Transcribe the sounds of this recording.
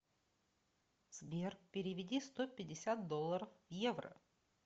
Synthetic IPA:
z̥bʲerk̚pʲɪɾʲɪvʲɪdʲist̪opʲɪdʲɪsʲat̪̚d̪olˠːəɾəfvjevɾə̰

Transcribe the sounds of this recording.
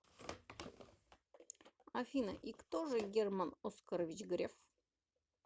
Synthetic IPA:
ɐfʲinə̰ʔikt̪oʐɨɡʲermanoskəɾəvʲɪt͡ɕɡɾʲef

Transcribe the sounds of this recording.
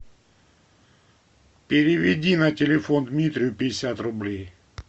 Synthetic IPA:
pʲɪɾʲɪvʲɪdʲinɐtʲɪlʲɪfond̪mʲit̪ɾʲɪjʊpʲɪɪsʲat̪rʊblʲej

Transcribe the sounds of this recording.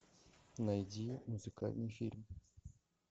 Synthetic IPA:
nɐjdʲimuzɨka̰lʲnɨjfʲilʲm

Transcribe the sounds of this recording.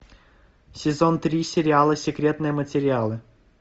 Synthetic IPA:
sʲɪzont̪ɾʲisʲɪɾʲɪalˠəsʲɪkɾʲet̪nɨjəmətʲɪɾʲɪalˠɨ

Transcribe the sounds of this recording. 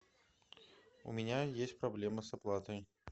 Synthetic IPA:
ṵmʲɛnʲajesʲt͡sʲpɾablʲɛmɨsaplˠat̪əj

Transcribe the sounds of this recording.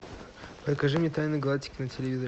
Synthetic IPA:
pɾəkɐʐɨmʲnʲɛt̪ajnɨɡɐlˠatʲːɪ̥kʲɪnɐtʲɪlʲɪvʲizəɾʲ

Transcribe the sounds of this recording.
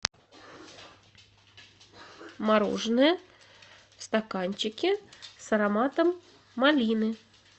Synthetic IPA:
maɾɔ̰ʐnɨjɐ | st̪akanʲt͡ɕɪkʲisɐɾamat̪ɐmː | alʲinɨ

